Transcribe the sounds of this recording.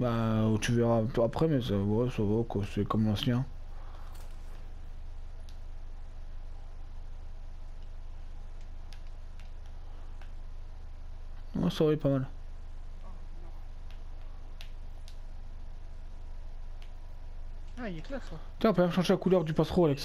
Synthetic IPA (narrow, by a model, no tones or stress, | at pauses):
bat̪yvɛʁat̪ːpχɛmɛsawɛsavɔkasɛkɔmlɑ̃sjɛ̃ | wɛ̰savaɛpamal | kl | t̪ɛapømɛ̃mʃɑ̃ʒelakulœʁd̪ypasχoavɛks